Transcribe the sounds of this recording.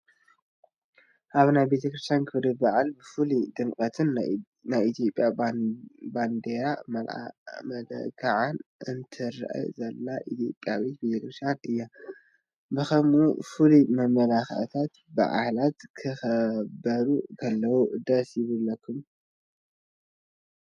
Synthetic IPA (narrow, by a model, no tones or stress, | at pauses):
ʔaβnajbe̞t̪ʰɐkɾɨst̪ʰjankʰɨβɾibaʕalbɨfɨlid̪ɨŋkʼɐt̪ʰɨn | najit̪ʰijo̞pʼja | band̪eɾamɐlmɐdɐ̰kaʕanʔɨnt̪ʰɨɾʔa̰jzɐlːaʔit̪ʰijo̞pʼjawet̪̚bet̪ʰɐkɾɨst̪janɨjːa | bɨxɐmufɨlimɐmɐlaxt̪ʰat̪ | ba̰ʕa̰hlat̪kʰɨxɐbɐɾukʰɐlːɐwud̪ɐsjɪβɨlːɐkːum